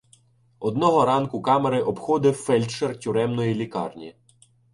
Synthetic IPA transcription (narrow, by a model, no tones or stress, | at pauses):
ɔd̪nɔɦɔɾɑnkʊkɑmeɾɪʔɔbxɔd̪ɪwfɛlʲt͡ʃertʲʊɾɛmnɔjilʲikɑ̰rnʲi